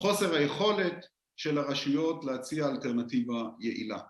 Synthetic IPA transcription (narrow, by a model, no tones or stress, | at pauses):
χo̞se̞ʁhaje̞χo̞le̞t̪ | ʃe̞laʁaʃujo̞tleat͡siaːlte̞ʁnativaje̞ʔḭla̰